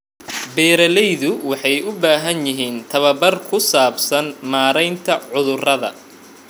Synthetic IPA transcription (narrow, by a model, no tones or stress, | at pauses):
bɛːɾɐlɛjðʊwɑħɑjʊbaːɦɐnjɪɦiːnt̪ʰɐβɐbɐrkʰʊsaːbsɐnmaːɾɛjnt̪ʰɐʕʊðʊrɐðɐ̰